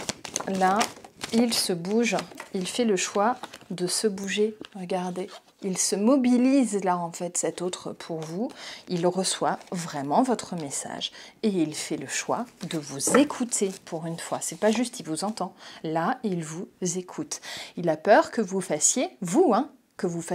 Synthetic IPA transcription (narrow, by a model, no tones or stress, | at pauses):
lailsəbuʒilfɛləʃwad̪əsəbuʒeʁəɡaʁd̪e | ilsəmɔbilizlaɑ̃fɛt̪sɛt̪ot̪χəpʰuʁvuilʁəswavʁɛmɑ̃vɔt̪χəmesa̰ʒeilfɛləʃwa̰d̪əvuzekʰut̪ʰepʰuʁynfwasɛpaʒyst̪ivuzɑ̃t̪ɑ̃lailvuzekʰut̪ilapœʁkəvufasjevuɛ̃ | kəvuf